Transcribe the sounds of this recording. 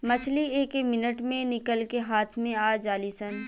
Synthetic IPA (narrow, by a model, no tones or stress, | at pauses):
mɐt͡ʃʰlieːkemɪnəʈmẽnɪkəlkeɦaːt̪ʰmẽaːd͡ʒaːlisən